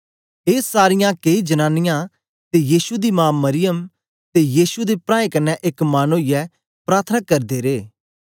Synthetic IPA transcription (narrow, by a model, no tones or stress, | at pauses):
eːsaːɾɪjãkeːid͡ʒɐnaːnɪjã | t̪ejiːsud̪imãːmːɐɾɪjəm | t̪ejiːsud̪epɾãːẽkɐnːɛʔekmaːnuɪjɛ | pɾaːɾt̪ʰənakɐɾd̪eɾeː